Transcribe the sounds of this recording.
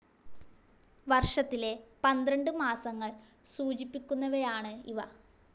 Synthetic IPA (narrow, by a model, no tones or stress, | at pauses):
ʋɐrʂɐt̪ːile̞pɐnd̪ɾɐɳɖɨmaːsɐŋːɐɭ | suːt͡ɕipːikʲːunːɐʋejaːɳɨḭʋɐ